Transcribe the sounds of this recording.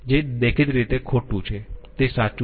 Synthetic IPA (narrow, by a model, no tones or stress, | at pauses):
d͡ʒeːdekʰɪt̪ɾiːt̪ekʰoːʈːũt͡ʃʰet̪eːsaːt͡ʃ